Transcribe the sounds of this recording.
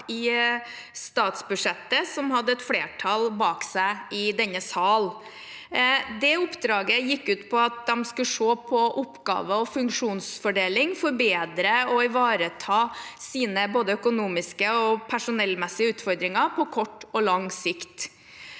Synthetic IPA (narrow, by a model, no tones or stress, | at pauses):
ɪ | st̪ɑːt̪sbʉʂɛt̪ːəsɔmhɑd̪ːəɛt̪fleːʈʰɑlbɑːksæɪɪd̪ɛnːəsɑːl | d̪ɛʊpd̪ɾɑːɡəjɪkːʉːt̪pʰɔɑt̪̚d̪ɛmskʉʂoːpʰɔʔʊpːɡɑ̰ːʋəɔfʉŋkʂuːnsfɔɖeːlɪŋfɔɾbeːd̪ɾəɔɪʋɑːɾət̪ʰɑːsiːnəboːd̪əœkʊnuːmɪskəɔpʰæʂʊnɛlːmɛsɪəʉːt̪fɔɾd̪ɾɪŋɑpʰɔkʰɔʈːɔlɑŋsɪkt̪